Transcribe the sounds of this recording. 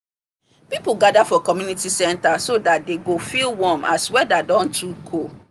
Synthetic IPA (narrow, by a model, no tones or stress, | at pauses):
pipuɡadafɔkɔmjunitisɛ̃ntasodat̚deɡofilwɔ̃maswɛdadɔ̃ntukʰo